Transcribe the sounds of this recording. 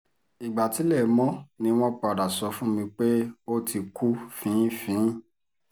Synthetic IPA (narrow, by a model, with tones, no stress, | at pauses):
i˨ɡ͡ba˨ti˨˦lɛ˦˨˦mɔ̃˦nĩ˧w̃ɔ̃˦k͡pa˨ɾa˨sɔ˧fũ˦mĩ˧k͡pe˦o˦tʰi˧kʰu˦fĩ˨˦fĩ˨˦